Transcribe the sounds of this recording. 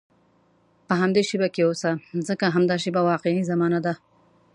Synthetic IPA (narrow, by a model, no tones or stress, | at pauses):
pəɦamd̪eʃibakeosazəkaɦamd̪ɑʃibawɑqeʕizamɑnad̪a